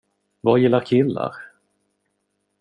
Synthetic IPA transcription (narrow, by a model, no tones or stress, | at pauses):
vajɪlːaɾkʰɪlːa̰ɾ